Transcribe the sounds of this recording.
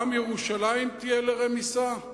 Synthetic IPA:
amjeʁuʃalaimt̪ijeleʁemisa

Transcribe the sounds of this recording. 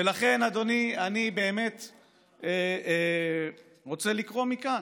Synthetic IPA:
velaχe̞nad̪o̞nianibe̞ːme̞t | ʁo̞t͡se̞likʁo̞mikan

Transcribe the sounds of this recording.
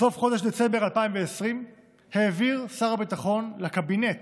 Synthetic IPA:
so̞fχo̞d̪eʃd̪et͡se̞mbealpaimveːsʁim | heːviʁsaʁabit̪aχo̞nlakabinet̪

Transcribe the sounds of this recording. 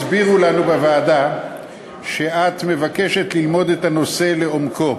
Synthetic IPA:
sbiʁulanubevaːda | ʃe̞ʔat̪me̞vake̞ʃe̞t̪lilmo̞d̪e̞t̪ano̞se̞le̞omkʰo̞

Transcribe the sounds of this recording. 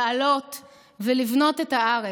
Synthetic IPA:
alo̞t | velivno̞tetaaʁe

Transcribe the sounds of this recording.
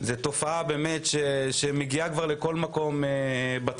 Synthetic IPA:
zet̪o̞faabeːme̞tʃeʃemeɡiakvaʁleko̞lmako̞meba

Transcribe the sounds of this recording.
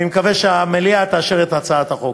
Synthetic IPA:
imkaveʃeameliat̪aːʃeʁet̪at͡saat̪haχo

